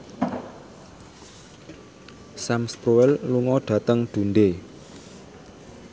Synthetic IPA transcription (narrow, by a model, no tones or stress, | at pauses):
samspɾoɛlluŋɔɖ̥ä̤t̪əŋɖ̪̥ṳnd̪e